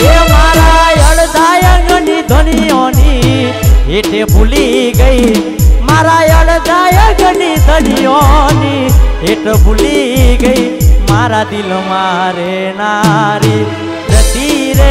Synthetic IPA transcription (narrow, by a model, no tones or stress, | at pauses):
ɦemaɾajəɽd̪ajəŋɡənid̪ʱəɽ̃iɔni | ɦeʈebʱuliɡəi | maɾajəɽd̪ajəŋɡənid̪ʱəɽiɔniɦeʈbʱuliɡəimaɾad̪ilmaɾe | naɾi | ɾət̪iɾe